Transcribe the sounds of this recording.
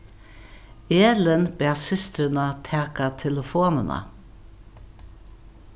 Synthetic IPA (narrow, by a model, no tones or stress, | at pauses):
eːlənbɛːsɪst̪ɾənat̪ʰæːkat̪ʰɛləfoːnəna̰